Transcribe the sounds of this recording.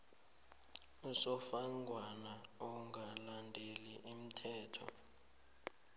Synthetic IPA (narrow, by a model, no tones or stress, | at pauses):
usɔfaŋɡʱwanaɔŋɡʱalandʱeliʔim̩tʰɛːtʰɔ̰